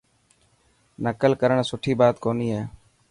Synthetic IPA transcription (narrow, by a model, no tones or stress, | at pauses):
nəkəlkəɾəɳsʊʈʰiːbaːt̪koːniːɦeː